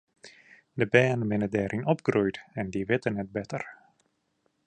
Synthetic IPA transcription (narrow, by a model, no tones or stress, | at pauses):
dəbɛːnəʋɪnədɛːɾʔɪnɔp̚ɡrujtɛndiʋɪtənɛt̚bɛtər